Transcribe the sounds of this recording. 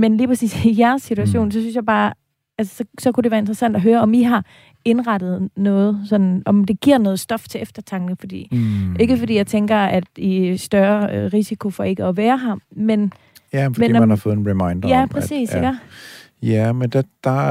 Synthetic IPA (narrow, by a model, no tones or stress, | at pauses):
menliːpʰʁɐsḭːsijæɐsːit͡sʰuæɕo̝̰ːnsɒ̽synsjɑ̈ɪb̥ɑ̈ː | ælsə̥sɒ̽sɒ̽kudeʋæːɐe̝nd̥ʁɐsæn̰d̥ɒɦøːɐɒ̽miɦɑ̈ | e̝nʁɑd̥ð̞̩ˠnɔ̽ːð̞̩ˠsɒ̽nnʔɒ̽md̥e̝ɡ̥ḭɐ̰nɔ̽ːð̩ˠsd̥ɒ̽ft͡sʰe̝ʔefd̥ɐt͡sʰɑ̈ŋɡ̥n̩fɒ̽d̥ḭːʔe̝ɡ̥əfɒd̥ḭːjɑɪt͡sʰeŋɡ̥ɐæd̥isd̥ɶɐøʁisikʰo̝fɒ̽e̝ɡ̥əɒ̽ʋæːɐɦɑ̈men | jæfmein̰ːmænhɑfɔ̽ːð̩ˠenʁɛmɑɪnd̥ɐæpʰʁɛsḭːseɡ̥ | jæmend̥d̥